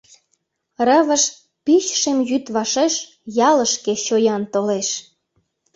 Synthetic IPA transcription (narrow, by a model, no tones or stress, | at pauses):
rəβəʃ | pit͡ɕʃemjyt̪βɑʃeʃ | jɑləʃkeɕojɑnt̪oleʃ